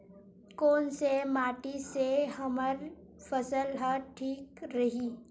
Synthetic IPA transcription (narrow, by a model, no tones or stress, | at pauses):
koːnsemaːʈiseɦɐməɾ | fəsəlɦəʈʰiːkɾɐɦiː